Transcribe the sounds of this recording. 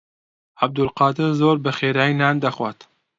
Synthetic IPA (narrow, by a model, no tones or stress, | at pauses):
ʔab̚d̪ʊlqɑːd̪ɪɾzoːɾbɨxeːɾaːinaːnd̪ɐxwaːt̪